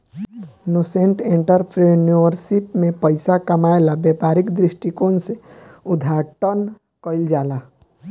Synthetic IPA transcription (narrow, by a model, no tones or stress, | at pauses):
nosẽɳʈẽɳʈəɾpʰɾenəɾsɪpmẽpəɪsakɐmaːelabeːpaːɾɪkd̪ɾɪsʈikoːnseʊd̪ʱaːʈən | kəɪld͡ʒaːla